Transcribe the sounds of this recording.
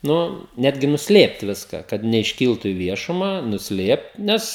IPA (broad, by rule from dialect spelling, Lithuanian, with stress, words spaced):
ˈnʊ ˈnʲæːdʲɡʲɪ nʊsʲˈlʲeːpt ˈʋʲɪskɐ kɐt nʲɛɪʃʲˈkʲiːlˠtʊ ɪ ˈʋʲiɛʃʊmɐ nʊsʲˈlʲeːpt ˈnʲɛs